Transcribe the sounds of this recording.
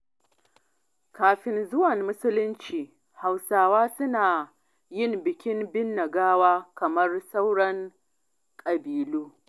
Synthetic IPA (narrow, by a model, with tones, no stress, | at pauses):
kaː˨ɸɪ˨nzʊ˦wɐ˨mːʊ˦sʊ˦lʊ˦nt͡ʃiː˨ | ha˨wsaː˨waː˦sʊ˦naː˨ | jɪ˦˨mbɪ˨kʲɪ˦mbɪ˦nːɐ˨ɡaː˦waː˦kɐ˨mɐ˦rsa˦wɽɐ˦ŋ | kʼɐ˨biː˨luː˦